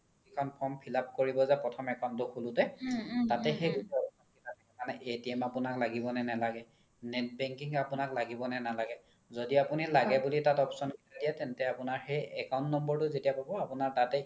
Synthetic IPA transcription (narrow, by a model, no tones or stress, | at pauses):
ikʰɔnpʰɔmpʰilap̚koɹibɔzapɹɔtʰɔmɛkaʊ̃ntɔxulʊtɛtatɛxejɡusiɔpsɔnkitʰatɛɛkanɛʔetiamapʊnaklaɡibɔnɛnɛlaɡɛ | nɛt̚bɛŋkiŋapʊnaklaɡibɔnɛnalaɡɛ | zodiapunilaɡɛbulitatɔpsɔnkitʰadijɛtɛntɛapʊnaɹxejɛkawʊ̃ntnɔmbɔɹtʊzetijapabɔapʊnaɹtatɛ